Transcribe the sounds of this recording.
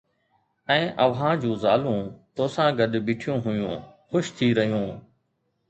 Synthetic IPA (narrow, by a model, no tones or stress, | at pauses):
ɛ̃ːʔəʋɦãːd͡ʑũːzaːlũːt̪oːsãːɡəɗbɪːʈʰɪjõːɦʊjṵ̃ːxʊʃt̪ʰiːɾəɦijũː